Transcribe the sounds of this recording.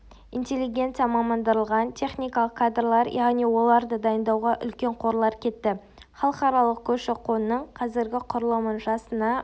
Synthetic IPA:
ḭntʲe̞lːiɡʲe̞nt̪sɨjɑmɑmənd̪əɾəlˠʁɑnt̪ʲʰe̞χnʲijkɑlˠəqkʰad̪rlˠɑɾjʔɑʁnijwo̞lˠɑɾd̪əd̪ɑjənd̪ɑwʁɑʔʏ̰lkʲe̞ɴqʰo̞ɾlˠɑɾkʲʰe̞t̪ːɪ | χɑlˠəqɑɾɑlˠəq̚kʲʰɵʃɪqʰo̞nnːəɴqʰɑzɪɾɡʲɪqʰʊɾəlˠəmənʒɑsənɑ

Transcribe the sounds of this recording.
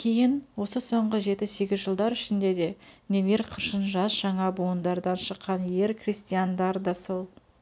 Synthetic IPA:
kʲʰe̞jɪnwo̞səso̞ɴʁəʒe̞t̪ɪse̞ɡʲɪzʒəlˠd̪ɑɾɪʃɪnd̪e̞d̪e̞nemeɾqʰəɾʃənʒɑsʒɑɴɑbuənd̪ɑɾd̪ɑnʃəqːɑnje̞ɾkrʲist̪ijand̪ɑɾd̪ɑso̞lˠ

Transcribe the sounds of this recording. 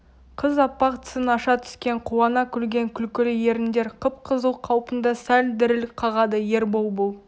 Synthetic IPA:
qʰəzɑpːɑq̚t̪ʰə̥sənɑʃɑt̪ʰʏ̥skʲe̞ɴqʰuwɑnɑkʲʰʏlɡʲe̞ŋkʲʰʏlkʲɪlɪje̞ɾɪnd̪e̞ɾqʰəp̚qʰəzəlqʰɑwpənd̪ɑsæld̪ɪɾɪlɪk̚qʰɑʁɑd̪əje̞ɾbolˠbolˠ

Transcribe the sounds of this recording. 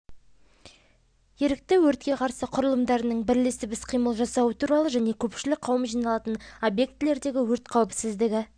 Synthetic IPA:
jeɾɪk̚t̪ɪwɵɾt̪̚kʲe̞qʰɑɾsəqʰʊɾəlˠəmd̪ɑɾənəɴbɪɾlesɪbɪsqʰijməlˠʒɑsɑwət̪ʰuɾɑlˠəʒæne̞kʲʰɵpʃɪlɪk̚ʲqʰɑwəmʒijnɑlˠɑt̪ənobje̞k̚t̪ɪle̞ɾd̪e̞ɡʲɪwɵɾt̪qʰɑwpsɪzd̪ɪɡʲɪ

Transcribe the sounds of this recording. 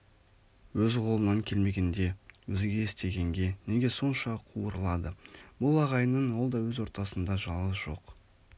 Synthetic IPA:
wɵzqʰo̞lˠənɑŋkʲʰe̞lme̞ɡʲe̞nd̪e̞wɵzɪɡʲe̞ːst̪e̞ɡʲe̞ŋɡʲe̞neɡʲeso̞nʃɑqʰuəɾəlˠɑd̪əb̥ʊlˠɑʁɑjnənwo̞lˠd̪ɑwɵzwo̞ɾt̪ɑsənd̪ɑʒɑlˠʁəzʒ̥o̞̰q

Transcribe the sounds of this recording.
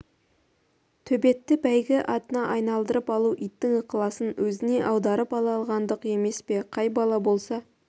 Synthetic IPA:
t̪ʰɵbe̞t̪ːɪbæjɡʲɪʔɑt̪ənɑʔɑjnɑlˠd̪əɾəpɑlˠuʔijt̪ːɪŋəqəlˠɑsənwɵzɪne̞ʔɑwd̪ɑɾəpɑlˠɑlˠʁɑnd̪əqe̞me̞spe̞qʰɑjbɑlˠɑbo̞lˠsɑ

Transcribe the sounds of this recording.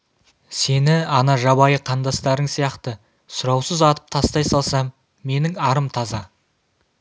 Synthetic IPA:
se̞nɪɑnɑʒɑbɑjəqʰɑnd̪ɑst̪ɑɾəɴsijɑqt̪ə | sʊɾɑwsəzɑt̪ə̥p̚t̪ʰɑst̪ɑjsɑlˠsɑmː | e̞nɪŋɑɾəmt̪ʰɑzɑ

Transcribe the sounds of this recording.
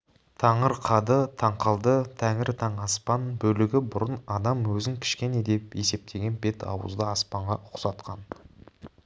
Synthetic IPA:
t̪ʰɑɴəɾqʰɑd̪ət̪ʰɑɴqɑlˠd̪ət̪ʰæŋɪɾt̪ʰɑɴɑspɑnbɵlɪɡʲɪbʊɾənɑd̪ɑmwɵzɪŋkʲʰɪ̥ʃkʲe̞ne̞d̪e̞pe̞se̞p̚t̪ʰe̞ɡʲe̞nbe̞t̪ʰɑ̰wə̰zd̪əɑspɑɴʁɑʔʊqsɑt̪qʰɑn

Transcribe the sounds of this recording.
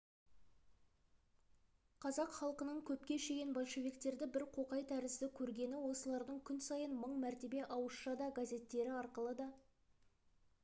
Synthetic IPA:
qʰɑzɑqχɑlˠqənəɴkʲʰɵpkʲe̞ʃe̞ɡʲe̞nbolʲʃe̞vʲikt̪e̞ɾd̪ɪbɪɾqʰo̞qɑjt̪ʰæɾɪzd̪ɪkʲʰɵɾɡʲe̞nɪwo̞səlˠɑɾd̪əɴkʲʰʏnsɑjənməɴmæɾt̪e̞be̞ʔɑwəsʃɑd̪ɑɡazʲe̞t̪ːe̞ɾɪɑɾqəlˠəd̪ɑ

